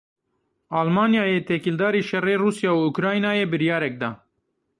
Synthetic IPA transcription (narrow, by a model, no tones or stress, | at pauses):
ɑːlmɑːnjaːjeːt̪ʰɛkild̪ɑːɾiːʃɛreːruːsjɑːuʊkɾɑːinaːjeːbɨɾjɑːɾɛk̚d̪ɑː